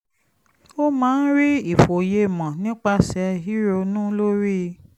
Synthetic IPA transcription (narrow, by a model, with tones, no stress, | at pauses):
o˦mãː˦n̩˦ɾi˦i˦˨fo˨je˧˦˨mã˨nĩ˦k͡pa˦˨sɛ˨˧ɦi˦ɾo˧nũ˦lo˦ɾi˦